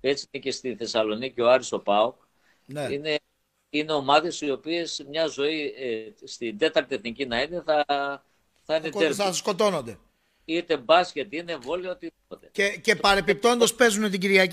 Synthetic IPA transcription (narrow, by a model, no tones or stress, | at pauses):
e̞t͡sinece̞st̪iθe̞sɐlo̞nicio̞ɐɾiso̞pɐok | nine̞ | ineo̞mɐðe̞sio̞pie̞smɲɐzo̞ist̪ind̪e̞t̪ɐɾt̪ieθnicinɐine̞θɐ | θɐinet̪eɾsko̞t̪o̞nond̪e | it̪e̞bɐscet̪ine̞vo̞liɐo̞t̪iðipo̞t̪e̞ecepɐɾepip̚t̪o̞nd̪ɐspe̞zunet̪̬iɟiɾʝɐ